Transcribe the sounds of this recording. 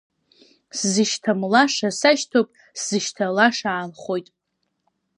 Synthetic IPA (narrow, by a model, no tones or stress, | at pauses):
szɨʃtʰamlaʂasaʃtʰopʼ | szɨʃtʰalaʂaːlχo̞jtʼ